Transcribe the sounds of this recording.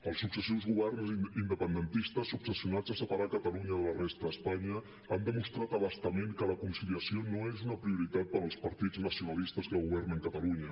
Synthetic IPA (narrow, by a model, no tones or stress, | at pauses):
əlˠsuksəsiwzɣuβɛrnziind̪əpənd̪ənt̪ist̪əsːuksəsiunad͡zəsəpəɾakət̪əluɲəðələrɛst̪ɾəːspaɲə | and̪əmust̪ɾat̪əβəst̪əmeŋkələkunsiliəsionoezunəpɾiuɾit̪at̪̚pəɾəlˠspəɾt̪id͡znəsiunəlist̪əzðəɣuβɛrnəŋkət̪əluɲə